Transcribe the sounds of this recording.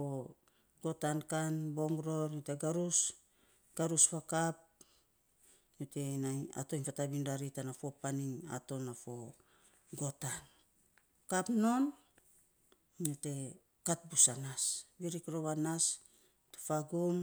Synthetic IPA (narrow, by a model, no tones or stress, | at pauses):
o | ɡ̥o̞tankanbo̞ŋɾo̞ɾjote̞ɡaɾus | ɡ̥aɾuspakap̚ | jote̞naa̰to̞infatabindaɾitanafo̞paniŋa̰to̞nafo̞ | ɡo̞tan | kapno̞n | ote̞ | kat̚busanasbiɾikɾo̞βanas | otefaɡum